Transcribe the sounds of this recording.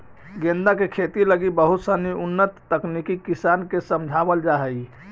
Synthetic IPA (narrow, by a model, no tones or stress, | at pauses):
ɡẽnd̪akekʰet̪iləɡibəɦut̪səniunːət̪ːəknikikisankesəmd͡ʒʱabəld͡ʒaɦəj